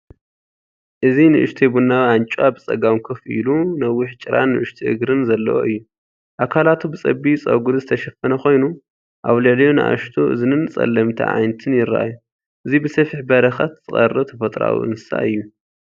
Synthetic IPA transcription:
ʔɨzinɨʔɨʃt̪ʰebunːawant͡ʃʼwabɨt͡sʼɐ̰ɡawkʰɐfḭlunɐwːɪħt͡ʃʼɨɾanːɨʔɨʃt̪ʰiʔɨ̰ɡɾɨnzɐlːɐ̰wʔo̰ʔɨjːu | ʔakʰalat̪ʰubɨt͡sʼɐbit͡sʼɐ̰ɡuɾzɨt̪ʰɐʃɐfɐnɐxo̞jnu | ʔaβlɐljonɨʔa̰ʃt̪ʰoʔɨ̰zɨnɨnɨt͡sʼɐ̰lːɐmt̪ʰɐ̰ʕa̰jnt̪ʰɨnjɪɾɐʔa̰ju | ʔɨzibɨsɐfiħbɐɾɐxɐt̪z̥ɨχʼɐ̰rɐt̪ʰɐfɐt̪ʼɾa̰w̰ʔɨ̰nsa̰ʔɨjːu

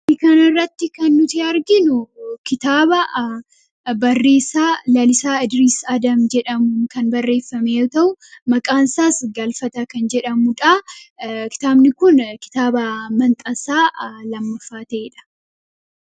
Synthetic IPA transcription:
ɪkɐnɐɪrːɐt̪ːɪkɐnːʊt̪ɪɐɾɡɪnʊkɪt̪aːbɐ | bɐrːe̞ːsaːlɐlɪsaːɪd̪ɪɾiːsɐd̪ɐmd͡ʒɛᶑɐmʊkɐnbɐrːe̞ːfːɐmejot̪ɐʔʊmɐkʼaːnsaːsɡɐlfɐt̪ɐkɐnd͡ʒɛᶑɐmʊᶑa | kɪ̥t̪aːbnɪkʊnkɪ̥t̪aːbɐmɐnt̪ʼɐsaːlɐmːɐfːaːt̪eːᶑɐ̥

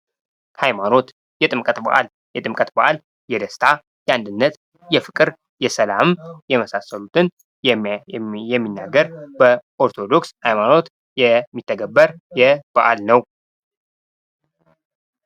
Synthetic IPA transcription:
hajmano̞t̪ | jɛt̪ʼɨmkʼət̪ba̰ʔa̰l | jɛt̪ʼɨmkʼət̪baʔal | jɛd̪əst̪ʰa | jɛand̪ɨnːət̪ | jɛfɨkʼɨɾ | jɛsəlammjɛməsasːəlut̪ʰɨn | jɛmːinːaɡːəɾbəʔo̞ɾt̪ʰo̞d̪o̞kshajmano̞t̪ | jɛmːit̪ʰːəɡəbːəɾjɛb̥aʔalnəw

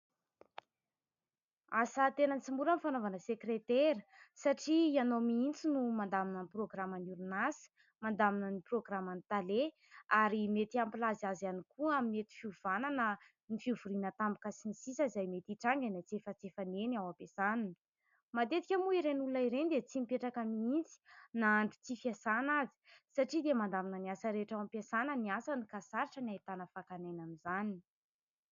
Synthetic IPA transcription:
asət̪enənt͡simbuɾənifanovanəsekret̪eɾəsaʈ͡ʂianomiint͡sinumand̪aminaniproɡramanuɾunasi̥ | mand̪aminəniproɡramanit̪ale | aɾimet̪iampilazazanikuamimet̪i̥fiuv̥ananə | nifiuvuɾinət̪ambi̥kasinisisəizajmet̪iʈ͡ʂaŋɡanat͡sefət͡sefaneniawampesanani | mad̪et̪ikʲəmuiɾenulaiɾenid̪et͡simipeʈ͡ʂakamiint͡si̥naaɳɖ͡ʐu̥t͡sifiasanazi̥saʈ͡ʂid̪emand̪aminəniasəɾeʈ͡ʂawampasanəniasanikasaɾiʈ͡ʂəniajt̪anəfakanajnamizani

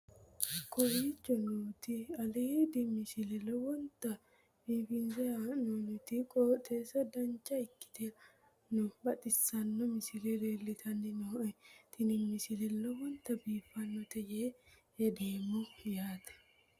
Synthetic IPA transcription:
kɔwiːt͡ʃːɔnuːt̪ɪɐled̪ɪmɪsɪlɛlɔwɔnt̪ːɐ | biːfɪnzɛanɔnʊt̪ɪkʼɔːt̪ʼeːsɐd̪ɐnt͡ʃʼːɐɪkːɪ̥t̪ɛ | nʊbɐt̪ʼɪsːɐnːɔmɪsɪlɛɾeːlːɪt̪ʰɐnːɪnɔt̪ɪnɪmɪsɪlɛlɔwɔnt̪ːɐbiːfɐnːɔt̪ɛjeː | ɛd̪eːmːɔjaːt̪ɐ̥

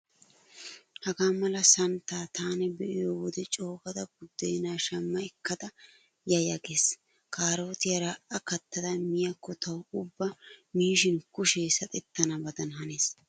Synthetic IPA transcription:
hɐɡaːmɐlɐsɐnt̪aːt̪aːnɛbɛʔɪjowɔd̪ɛt͡ʃʼo̞ːkɐd̪ɐɡʊd̪ːɛjnaːʃɐmːɐɛkːɐd̪ɐ | jɐjɐɡe̞ːs | kʰaːɾo̞ːt̪ɪjɐɾaːʔɐkɐt̪ːɐd̪ɐmɪjɐkːɔt̪ɐwʊbːɐmiːʃɪnkʊʃeːsɐt̪ʼɛt̪ːɐnɐbɐd̪ɐnɦɐneːs

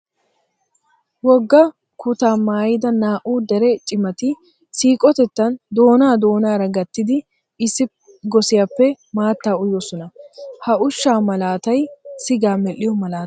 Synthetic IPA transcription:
wɔɡːɐ | kʊt̪aːmaːjɪd̪ɐnaːʔuːd̪ɛɾɛt͡ʃʼɪmɐt̪ɪ | siːkʼɔt̪ɛt̪ːɐnd̪o̞ːnaːd̪o̞ːnaːɾɐɡɐt̪ːɪd̪ɪ | ɪsːɪ | ɡɔsɪjapːɛ | maːt̪ːaːʊjɔsɔnɐhɐʔʊʃːaːmɐlaːt̪ɐjsɪɡaːmɛʔːɪjɔmɐlaː

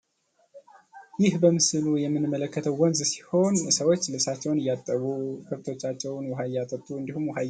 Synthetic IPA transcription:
jɪhbəmɨsɨlujɛmːɨnɨmːələkːət̪ʰəwwɔnzsi̥ho̞nɨsəwo̞t͡ʃːlɨsat͡ʃːɛwnɨjːat̪ʼːəβukʰɨft̪ʰo̞t͡ʃːat͡ʃːɛwnwɔɦajat̪ʼət̪ʼːuɨnd̪ihumwɔɦaj

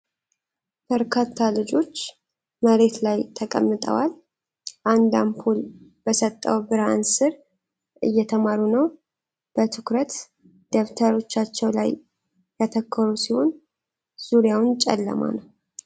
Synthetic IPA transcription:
b̥əɾkʰat̪ʰːalɨd͡ʒo̞t͡ʃː | məɾe̞t̪lajt̪ʰəkʼə̰mːɨt̪ʼə̰wal | ʔand̪ampʰulbəsət̪ʼːə̰wbɨɾansɨɾ | ʔɨjːɛt̪ʰəmaɾunəw | b̥ət̪ʰɨkɾət̪ | d̪̥əft̪ʰəɾo̞t͡ʃːat͡ʃːɛwla̰jː | at̪ʰəkʰːəɾusiho̞n | z̥uɾjawnt͡ʃʼɛ̰lːə̰ma̰nəw

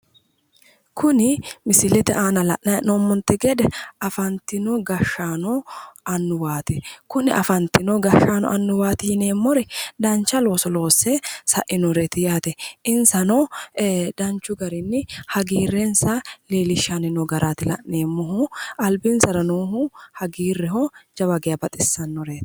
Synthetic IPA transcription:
kʰʊnɪmɪsɪlɛt̪ɛʔaːnɐlɐ̰ʔnɐnɔmːɔnt̪ːɛɡɛd̪ɛɐfɐnt̪ːɪnɔɡɐʃːaːnɔɐnːʊwaːt̪ɛkʊnɪʔɐ̰fɐnt̪ːɪnɔɡɐʃːaːnɔ̰ʔɐnːʊwaːt̪ɪhɪneːmːɔɾɛd̪ɐnt͡ʃːɐlo̞ːsɔlo̞ːsːɛsɐ̰ʔɪnɔɾet̪ɪjaːt̪ɛʔɪnsɐnɔ | d̪ɐnt͡ʃːʊɡɐɾɪnːɪhɐɡiːrːɛnsɐleːlɪʃːanɪnɔɡɐɾʔaːt̪ɪlɐ̰ʔeːmːɔɦʊɐlbɪnsɐɾɐnoːɦʊhɐɡiːrːɛhɔd͡ʒɐbɐɡɛjabɐt̪ʼɪsːɐnːɔɾeːt̪

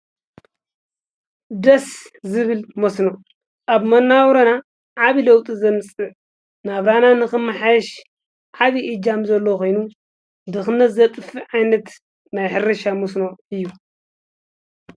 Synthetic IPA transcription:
d̪ɐszɨβɨlmosno | ʔaβmɐnːawɾɐna | ʕaβilɐwt̪ʼizɐmɨsʼɨ | naβɾananɨxɨmːɨħajɛʃ | ʕaβiʔɨd͡ʒamzɐlːokʰo̞jnu | d̪ɨxɨnɐzɐt̪ʼɨfiʕajnɐt̪ | najħɨrɐʃamosnoɨjːu

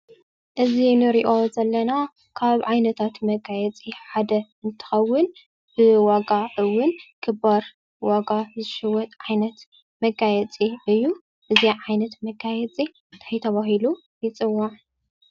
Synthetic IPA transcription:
ʔɨzinɨɾiʔo̞zɐlːɐna | kʰaβʕajnɐt̪ʰat̪mɐɡajɛt͡sʼiħad̪ɐɨnt̪ʰɨ̥xɐwːʊn | b̥ɨwaɡaʔɨwːʊnkʰɨbaɾ | waɡazɨʃɨwɔt̪ʼʕajnɐt̪ | mɐɡajɛt͡sʼiʔɨjːu | ʔɨziʕajnɐt̪mɐɡajɛt͡sʼi | t̪ʰajt̪ʰɐβaɦilu | jɪt͡sʼɨwːa

